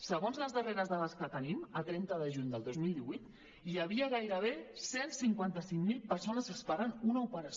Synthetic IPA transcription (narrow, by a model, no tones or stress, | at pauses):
səɣonzləzðəreɾəzðaðəskət̪ənimət̪ɾɛnt̪əðəʒuɲd̪əlˠd̪ozmilˠd̪iβujt̪ | iəβiəɣ̞ajɾəβ̞esensiŋkwant̪əsiŋmilˠpəɾsonəzəspaɾənunəupəɾəs